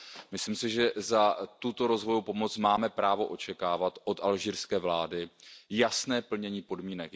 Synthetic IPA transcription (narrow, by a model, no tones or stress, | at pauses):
mɪsliːmsɪʒɛzat̪ut̪o̞ɾo̞zvo̞jowpo̞mo̞t͡smaːmɛpɾaːvoʔo̞t͡ʃɛkaːvat̪ʔo̞t̪ʔalʒiːɾskɛːvlaːdɪjasnɛːpl̩ɲɛɲiːpo̞dmiːnɛk